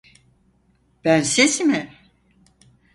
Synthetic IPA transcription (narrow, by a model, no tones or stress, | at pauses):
b̥ænsesimɪ